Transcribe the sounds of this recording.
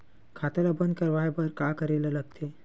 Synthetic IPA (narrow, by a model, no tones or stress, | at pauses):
kʰaːt̪elabə̃nd̪̚kɐɾʋaːebɐɾkakəɾeːlɐləɡ̚t̪ʰe